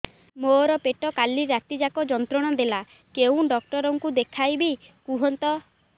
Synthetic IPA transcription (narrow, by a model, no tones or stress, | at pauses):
moɾɔpeʈɔkaliɾat̪id͡ʒakɔd͡ʒɔnt̪ɾɔɽ̃ɔd̪ela | keũɖɔk̚ʈɔɾɔŋkud̪ekʰajbikuɦɔnt̪ɔ